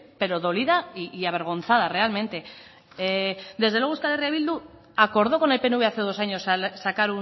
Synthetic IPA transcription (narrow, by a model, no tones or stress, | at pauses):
pe̞ɾo̞ðo̞liðaiːaβ̞e̞ɾɣ̞o̞nθað̞are̞almẽ̞nt̪e̞ | d̪e̞zðewe̞oeskalerjaβild̪u | ako̞ɾð̞o̞ko̞ne̞lpeneuβe̞aθe̞ðo̞saɲo̞ssakaɾu